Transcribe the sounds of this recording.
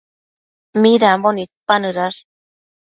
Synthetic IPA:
miɾambonik̪̚panɯɾaɾ

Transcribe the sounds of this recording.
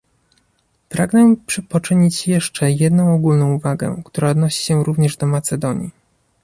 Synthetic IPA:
pɾaɡnɛpʂpɔt͡ʂɘɲit͡ɕjɛʂt͡ʂɛjɛd̪nɔ̃w̃ɔɡulnɔ̃w̃uvaɡɛ̰kt̪uɾaɔd̪nɔɕi̥ɕɛɾuvɲɛʐd̪ɔmat̪sɛd̪ɔɲḭ

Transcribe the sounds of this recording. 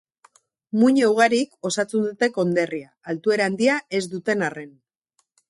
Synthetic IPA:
muɲewɣ̞aɾiko̞sat͡sund̪ut̪e̞ko̞nd̪e̞riaːlt̪ue̞ɾaand̪iae̞zd̪ut̪e̞nare̞n

